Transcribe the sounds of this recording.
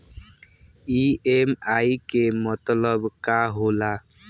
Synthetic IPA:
iemajkemɔt̪lɔbkaɦola

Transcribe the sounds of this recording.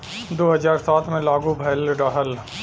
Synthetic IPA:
d̪oːɦɐzaːɾsaːt̪ʰmẽlaːɡubʱɐjlɖaːɦəl

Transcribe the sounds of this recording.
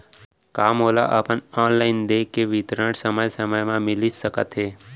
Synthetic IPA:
kaːmɦoːla̰ʔəpəɳɔːnlaɪnd̪eːkːeʋit̪ɾəɽsəməjsəməjmãmɪlisəkə̰t̪ɦeː

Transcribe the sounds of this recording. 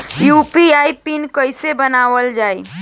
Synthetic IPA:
jupiaipinkəɪsebənaʋəld͡ʒaːi

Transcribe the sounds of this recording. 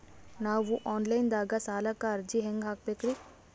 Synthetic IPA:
naːʋuʔɔːnlaɪnd̪aːɡasaːlakaɾd͡ʒiɦẽŋɡɦaːk̚pekɾi

